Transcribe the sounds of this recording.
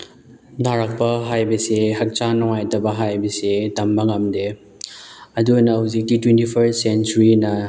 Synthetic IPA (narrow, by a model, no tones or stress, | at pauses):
dʱaɾɐk̚pɐɦajbɐseɦɐk̚t͡ʃanɔŋajtɐbɐɦajbɐsetɐmbɐŋamde | ɐdunɐhuzik̚titwentipʰɐɾt̚sent͡ʃuɾinɐ